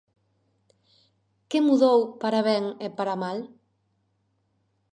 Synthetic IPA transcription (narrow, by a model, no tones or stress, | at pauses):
kemuðowpaɾaβɛŋepaɾamal